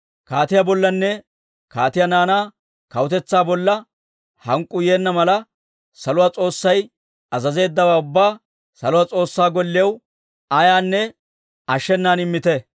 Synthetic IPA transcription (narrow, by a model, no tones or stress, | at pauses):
kaːt̪ɪjabɔlːɐnːɛ | kaːt̪ɪjanaːnaː | kɐwʊt̪ɛt͡sːaːbɔlːɐ | hɐŋkʼːʊje̞ːnːɐmɐlɐ | sɐlʊwaːt͡sʼo̞ːsːɐj | ɐzɐze̞ːd̪ːɐwaːʊbːaː | sɐlʊwat͡sʼo̞ːsːaːɡɔlːɪɐw | ɐjaːnːɛ | ɐʃːɛnːaːnɪmːɪt̪ɛ